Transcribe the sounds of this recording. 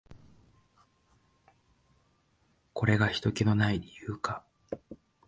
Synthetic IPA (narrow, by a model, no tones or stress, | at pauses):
ko̞ɾe̞ɡaçi̥t̪o̞kʲeno̞naiɾʲijɯːka